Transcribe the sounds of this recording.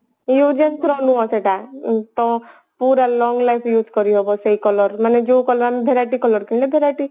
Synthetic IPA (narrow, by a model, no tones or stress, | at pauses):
jud͡ʒenkʰɾɔnũɔseʈat̪ɔ | puːɾalɔ̃ːŋɡlajpʰjuːzkɔɾiɦobɔseikɔlɔɾmaned͡ʒoːkɔlɔɾambʱeɾaʈikɔlɔɾkĩnlebʱeɾaʈi